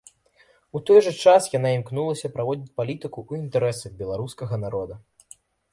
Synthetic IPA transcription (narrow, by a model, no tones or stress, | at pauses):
ut̪ɔjʐɐt͡ʂasjanaimknulˠɐsʲɐpɾavɔd͡zʲit͡sʲpalʲit̪ɨkuʔuint̪ɛɾɛsɐɣbʲɛlˠaɾuskɐɣɐnaɾɔd̪ɐ